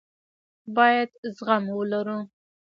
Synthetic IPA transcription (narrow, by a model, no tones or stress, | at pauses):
bɑjad̪zɣamwəlaɾu